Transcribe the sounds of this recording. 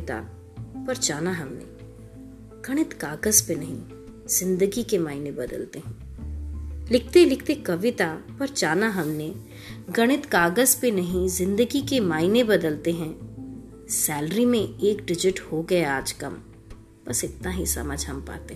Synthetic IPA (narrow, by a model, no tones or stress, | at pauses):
t̪a̰ | pɐɾt͡ʃaːnaɦɐmnḛ̃ | ɡ̥ɐɽ̃ɪt̪kaːɡəzpenɐɦĩ | z̥ɪ̃nd̪əɡikemaːɪnẽbɐd̪ə̰lt̪eɦɛ̃ː | lɪk̚ʰt̪elɪkʰt̪ekɐʋɪt̪apɐɾt͡ʃaːnaɦɐmnẽ | ɡɐɽ̃ɪt̪kaːɡəzpenɐɦĩzɪ̃nd̪əɡikemaːɪnebɐd̪əlt̪eɦɛ̃ː | sɛːlɾimẽeːkɖɪd͡ʒɪʈhoɡɐeaːd͡ʒkɐm | bɐsɪt̪naɦisɐ̰məd͡ʒʱɦɐmpa̰ːt̪eɦ